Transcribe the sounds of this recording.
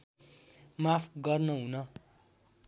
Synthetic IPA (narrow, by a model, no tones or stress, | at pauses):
mapʰɡʌrnʌɦũnʌ